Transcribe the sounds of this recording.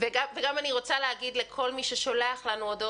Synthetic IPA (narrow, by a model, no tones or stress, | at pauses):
veɡaveɡamaniʁo̞t͡saleɦaɡid̪le̞kʰo̞lmiʃeʃo̞leaχlanuod̪o